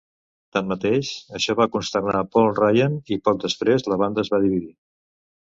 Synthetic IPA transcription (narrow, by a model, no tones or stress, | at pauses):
t̪amːət̪eʃəʃɔβakunst̪ərnapɔlˠrajənipɔk̚d̪əspɾezləβand̪əːzβað̞iβiði